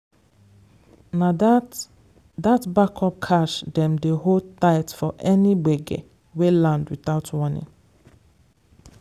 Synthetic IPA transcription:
na | datbakʰɔp̚kʰaʃdɛ̃mdeɦodtaɪtfɔʔɛniɡ͡beɡḛ | welãndwiθaʊtʰwɔnḭ̃ŋ

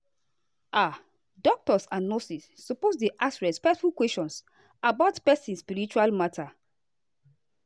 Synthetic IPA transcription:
a | dɔk̚tɔsãnːosisːɔposdeʔasɹɛspɛk̚tfulkwɛst͡ʃɔ̃ns | abaʊtpɛsĩnspiɹit͡ʃualmatʰa

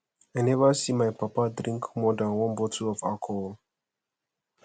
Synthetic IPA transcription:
ajnɛvəsimajpapadɹĩŋkmɔdãnwɔ̃nbɔtʰuɔvakʰɔl

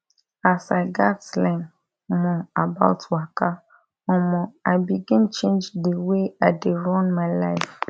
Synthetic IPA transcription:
asaɪɡaslɛ̃n | mɔ̃aba̰tʰwaka | ɔ̃mɔ̃aɪbiɡɪ̃nt͡ʃẽnd͡ʒdəweaɪdeɹɔ̃nmaɪlaɪf

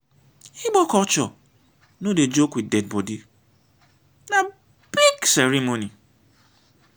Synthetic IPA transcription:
iɡ͡bɔkɔt͡ʃɔ | noded͡ʒokwidɛd̚bɔdi | na | b̥iɡsɛɾimoni

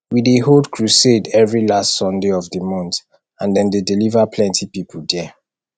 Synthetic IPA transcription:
wideɦoldkʰɹusedɛvɹilastsɔ̃ndeɔvdəmɔ̃nt | ãndɛ̃ndedilivapʰlɛ̃ntʰipipʰəldɛ

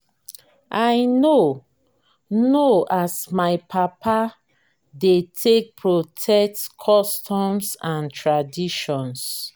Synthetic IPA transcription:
ʔaɪno | noʔasmaɪpʰapʰa | detʰek̚pʰɹotʰɛk̚tkʰɔstʰɔ̃msãntʰɹadiʃɔ̃ns

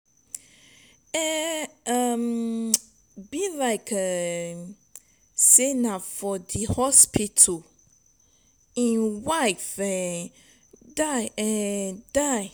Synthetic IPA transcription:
ɛʌm | bilaɪkʰə | senafɔdihɔspʰitʰo | ĩnwaɪfɛ | daɪɛdaɪ

